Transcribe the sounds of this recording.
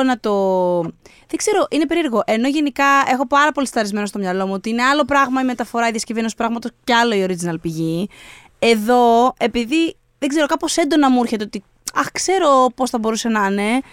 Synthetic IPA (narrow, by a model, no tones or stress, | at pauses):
nɐt̪o̞ | ðeɡze̞ɾo̞ʔinepe̞ɾiɾɣo̞ʔe̞no̞ʝe̞nikɐe̞xo̞pɐɾɐpo̞lisɐɾizme̞nost̪o̞mɲɐlo̞muot̪iine̞ɐlo̞pɾɐɣmɐime̞t̪ɐfo̞ɾɐiðiɐscive̞nosi̥pɾɐɣmɐt̪o̞sceɐlo̞io̞ɾid͡zinɐlpiʝi | e̞ðo̞e̞piði | ðeɡze̞ɾo̞kɐpo̞se̞nd̪o̞nɐmuiɾçet̪eot̪i | ɐxkse̞ɾo̞po̞sθɐbo̞ɾuse̞nɐne̞